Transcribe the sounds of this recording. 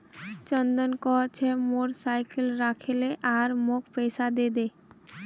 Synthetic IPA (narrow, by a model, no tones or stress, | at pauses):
t͡ɕɔnd̪ɔnkɔɦt͡ɕʰemoɾsajkelɾakʰeleʔaɾmokʰpejsad̪ed̪e